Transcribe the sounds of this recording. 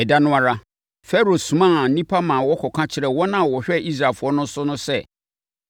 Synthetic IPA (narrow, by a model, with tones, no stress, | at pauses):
ɛ˨da˦nʊ̃˦a˦ɾa˦ | fɛ˦ɾo˨sũ˨mã˦˨˦nĩ˦pʰa˦mãː˨wɔ˦kʰɔ˨kʰã˦t͡ɕʰɪ˨ɾɛ˨wɔ̃˦nã˦˨wɔ˨ɕᶣɛ˦˨ʔi˦s̬ɾa˨fʊ˨˦ɔ˦nʊ̃˦sʊ˦nʊ̃˦sɛ˦